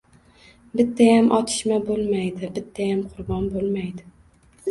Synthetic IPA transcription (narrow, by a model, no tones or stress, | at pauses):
bɪt̪ʰːajamʔɒt̪ʰɪ̥ʃmabolˠmajd̪ɪbɪt̪ʰːajamqʰʊɾbɒnbolˠmajd̪ɪ